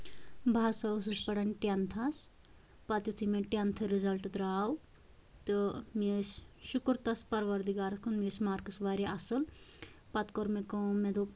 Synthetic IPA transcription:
bʱaːsɐs̬ɨsʲpɐɽɐnʲʈent̪ʰɐs | pɐt̪jut̪ʰimẽʈʲant̪ʰɨɾizɐlʈɨd̪ɾaːw | t̪ɨmisʲʃukɾt̪ɐspɐɾʋɐɾd̪iɡaːɾɨskʰunmisʲmaːɾkɨsʋaːɾiʔɐsɨlpɐt̪koɾmekomẽd̪o

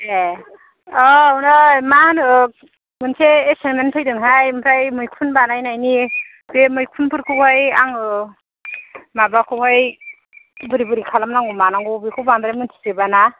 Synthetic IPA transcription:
e | ɔwnamanɯ | mɯnsʰeːsenmenpʰɯjdɯŋɦajmpʰɾajmɯjkʰunbanajnajni | bemɯjkʰunpʰɯɾkʰɯwhajaŋɯ | mabakʰɯwhaj | bɯɾibɯɾikʰalamnaŋɡumanaŋɡɔbikʰɯwband̪ɾamɯntʰi̥sebana

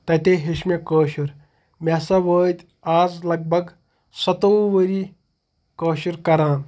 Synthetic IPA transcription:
t̪ɐt̪eɦiʃmekəːʃuɾ | mʲasɐʋəːd̪ʲ | aːzlɐɡ̚bʱɐɡ | sɐt̪oʋɐɾi | kəːʃuɾkɐɾãːn

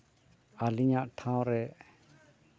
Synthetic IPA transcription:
aliɲaʔʈʰãw̃ɾɛʔ

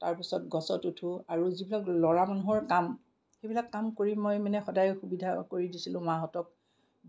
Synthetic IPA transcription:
taɹpisɔtɡɔsɔtutʰuaɹuzibilaklɔɹamanuɦɔɹkam | xebilakːamkoɹiːɔjmanɛxɔdajxubidʱakoɹidisilʊ̃maɦɔtɔk̚

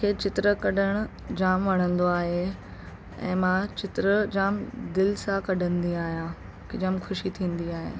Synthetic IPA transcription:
kʰeːt͡ɕɪt̪ɪɾəkɐɗəɽ̃ʊ | d͡ʑaːmʋɐɽ̤ə̃nd̪oaːɦe | ɛ̰̃ːmãt͡ɕɪt̪ɾəd͡ʑaːmd̪ɪlsãkɐɖʱə̃nd̪iaːɦijã | kɪd͡ʑəmxʊʃit̪ʰĩːn̆d̪iaːɦḛː

